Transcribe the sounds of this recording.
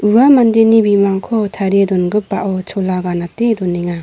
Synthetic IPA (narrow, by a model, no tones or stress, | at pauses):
uamandenibimaŋkʰɔtʰaɾedɔnɡɯpːaʔɔt͡ʃʰɔlaɡanatedɔnːiŋa